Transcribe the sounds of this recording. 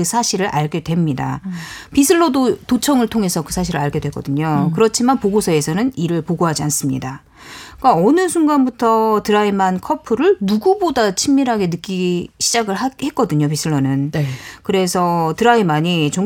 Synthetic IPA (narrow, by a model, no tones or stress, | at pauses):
ɯsʰaɕʰiɾɯɾʔa̰ɭɡe̞dwe̞mɲida̰pisʰɯɭːodotot͡ɕʰʌŋɯɭtʰoŋe̞sʰʌkɯsʰaɕʰiɾɯɭaɭɡe̞dwe̞k͈ʌdɯɲokɯɾʌt͡ɕʰimanpoɡosʰʌe̞sʰʌnɯniɾɯɭpoɡoɦad͡ʑians͈ɯmɲida | k͈aʌnɯsʰunɡanbutʰʌtɯɾaimankʰʌpʰɯɾɯɭnuɡubodat͡ɕʰimːiɾɦaɡe̞nɯk͈iɕʰid͡ʑaɡɯɭɦahe̞k͈ʌdɯɲop̬isʰɯɭːonɯnkɯɾe̞sʰʌtɯɾaimaɲit͡ɕo